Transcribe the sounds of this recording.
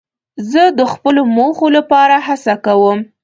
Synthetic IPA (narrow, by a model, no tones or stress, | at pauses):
zəd̪əxpəlomoxolapɑɾaɦasakawəm